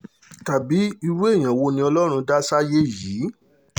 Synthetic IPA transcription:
ta˨bi˨˦i˧ɾu˦e˦˨j̃ã˨wo˧nĩ˧ɔ˧lɔ˦ɾ̃ũ˧da˦sa˦je˦˨jiː˨˦

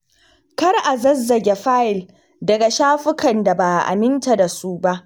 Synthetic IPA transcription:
kɐ˦rʔa˨zɐ˦zːɐ˨ɡʲe˨ɸaː˦ʔɪ˨l | dɐ˨ɡa˨ʃaː˦ɸɪ˦kʰɐ˨nda˨baː˨ʔa̰˨mɪ˦nta˨da˨su˦ba˦ʔ

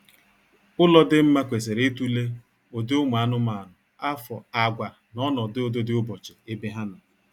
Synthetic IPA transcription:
ʊ˦lɔ˦dɪ˦m̩˦ma˦kʷe˨se˨ɾe˦tu˦le˦ | o˨de˦ʊ˦m˨a˨a˦nʊ˦ma˨a˨nʊ˨ | a˦fɔ˨a˨ɡʷa˨ | nɔ˦nɔ˨dɪ˦o˦do˦dɪ˦ʊ˦bɔ˨t͡ʃe˨e˦be˦ɦa˦na˨

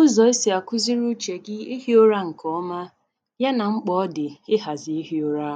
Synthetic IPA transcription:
ʊ˦zɔ˨e˦si˨a˨kʊ˦zi˦ɾu˦t͡ʃe˨ɡɪ˦i˦ɦi˦o˦ɾa˦ŋ̩˨kʰɔ˦ɔ˦ma˦ | ja˦na˨ŋ͡m̩˦k͡pɔ˦ɔ˦dɪ˨ɪ˦ɦa˨zɪ˨i˦ɦi˦o˦ɾa˦˨

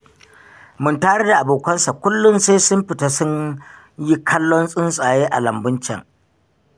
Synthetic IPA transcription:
mʊ˦ntaː˦ɽe˦da˨ʔa˨boː˨kʷɐ˦nsa˨kʷʊ˦lːʊ˦nseː˦sʊ˦mɸɪ˨ta˦sʊ˦ɲ | ji˦kʰɐ˦lːɔ˦nsʼɪ˦nsʼaː˨jeː˦ʔa˨lɐ˨mbʊ˦nt͡ʃɛ̰˨ŋ

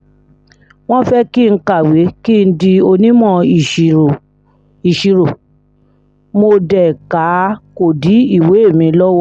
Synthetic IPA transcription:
w̃ɔ̃˦fɛ˦ki˦˨n̩˧˦ka˦˨we˨˦ki˦˨n̩˦di˧o˧nĩ˦mɔ̃˦i˨i˨o˨ | i˨ʃi˨ɾo˨ | mo˧dɛ˨ka˨˦ko˨di˨˦i˦˨we˨˦e˦˨mĩ˧lɔ˦wɔ˦˨

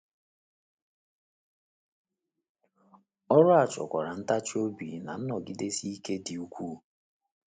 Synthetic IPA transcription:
ɔ˦ɾʊ˦a˨t͡ʃɔ̰˨kʷa˨ɾa˨n̩˦ta˦t͡ʃo˦bḭ˨na̰˨n̩˦nɔ˨ɡi˦de˦si˦i˦ke˦di˨u˦kʷuː˦˨

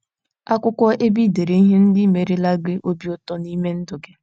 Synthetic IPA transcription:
a˦kʷʊ˦kʷɔ˦ʔe˦bi˦de˨ɾe˨i˦ɦe˦n̩˦dɪ˦me˨ɾɪ˦la˦ɡɪ˦ʔo˦bi˦ʊ˦tɔ˦ni˦me˦n̩˦dʊ˨ɡɪ˦

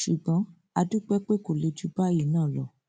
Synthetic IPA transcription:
ʃu˨ɡ͡bɔ̃˨˦ | a˧du˦k͡pɛ˦k͡pe˦ko˨le˧d͡ʒu˧˦ba˦ji˦˨nãː˦˨lɔ˨

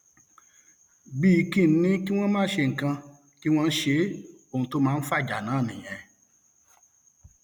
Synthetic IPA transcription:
bi˦˧kĩ˦˨n̩˦nĩ˨˦ki˦w̃ɔ̃˦mãː˦ʃe˧˨ŋ̩˨kã˧ | ki˦w̃ɔ̃˦˧n̩˦ʃe˧˦ | o˦˨ũ˧to˦mãː˦˧n̩˦fa˦˨d͡ʒa˨nãː˨˦˨nĩ˨j̃ɛ̃˨˧

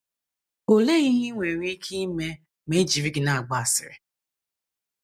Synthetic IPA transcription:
o˨le˦ɣi˦ɦi˦ŋʷe˨ɾi˦kʰi˦me˦ | me˦d͡ʒi˨vi˦ɡi˨na˨a˨ɡ͡ba˨sɪ̰˨ɾɪ˨

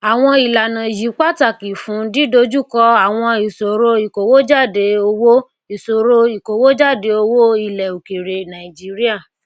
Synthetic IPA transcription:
a˨w̃ɔ̃˧i˨la˨nã˨ji˨˦k͡pa˦˨ta˦˨ki˨fũ˨˦di˦do˦d͡ʒu˦˨kɔ˧a˨w̃ɔ̃˧i˨so˨ɾo˧i˨ko˨wo˦d͡ʒa˦˨de˧o˧wo˦ | i˨so˨ɾo˧i˨ko˨wo˦d͡ʒa˦˨de˧o˧wo˦i˦˨lɛ˨u˨ki˨ɾe˨nã˨i˨d͡ʒi˦ɾi˦a˦˨

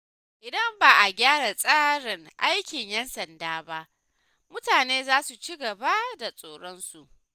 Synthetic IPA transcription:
ʔɪ˨dɐ˦mbaː˨ʔa˨ɡʲaː˦ɽa˨sʼaː˦ɽɪ˨ŋʔa̰˦jkʲɪ˨ɲjɛ˦nsɐ˨ndaː˦ba˦ʔ | mʊ˦taː˨neː˦zaː˦su˨t͡ʃi˦ɡɐ˨ba˦da˨sʼoː˨ɽɔ˦nsu˨ʔ

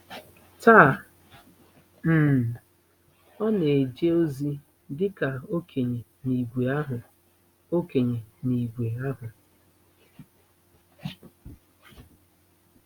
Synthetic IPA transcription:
ta˦˨ | m̩˦˨ | ɔ˦ne˨d͡ʒe˦o˦zi˦ | dɪ˦ka˨o˦kʰe˨ɲe˨ | ni˨ɡʷe˨a˦ɦʊ˨ | o˦ke˨ɲe˨ni˨ɡʷe˨a˦ɦʊ˨

